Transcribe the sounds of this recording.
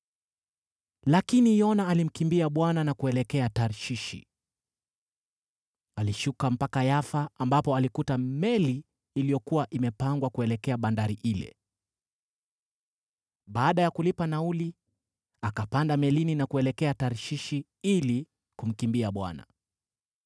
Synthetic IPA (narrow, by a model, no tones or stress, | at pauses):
lakinijɔnaːlim̩kimbiaɓwananakuɛlɛkɛataɾʃiʃḭ | aliʃukam̩pakajafaːmbapɔalikutamɛliː | lijɔkuwaʔimɛpaŋɡwakuɛlɛkɛaɓandaɾiʔilɛ̰ | ɓaːɗajakulipanauli | akapandamɛlininakuɛlɛkɛataɾʃiʃi | ili | kum̩kimbiaɓwa̰na̰